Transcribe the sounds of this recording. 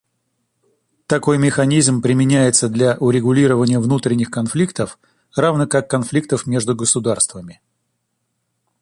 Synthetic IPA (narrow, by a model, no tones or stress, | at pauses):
t̪ɐko̞jmʲɪxɐnʲizmpɾʲɪmʲɪnʲæjɪt̪səd̪lʲaʔʊɾʲɪɡʊlʲiɾəvənʲɪjəvnut̪ɾʲɪnʲːɪxkɐnflʲikt̪əf | ravnəkakːɐnflʲik̚t̪əfmʲe̞ʐd̪ʊɡəsʊd̪arst̪vəmʲɪ